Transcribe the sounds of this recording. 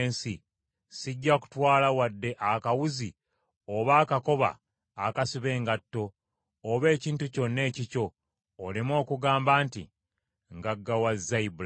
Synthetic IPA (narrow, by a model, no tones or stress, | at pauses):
nsi | siɟːaku̥twaːlawadːe̞ʔakawuzi | oβaːkako̞βa̰ː | kasiβe̞ːŋɡatːo̞ː | βe̞ːciːntuco̞nːe̞ːcico̞ː | limo̞ːkuɡaːmbaːntḭ | ŋɡaɡːawazːaibul